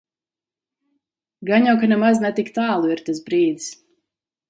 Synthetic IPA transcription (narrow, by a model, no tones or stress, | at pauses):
ɡaɲjawkanɛmaznɛt̪ikt̪aːlˠuiɾt̪as̬bɾiːd̪s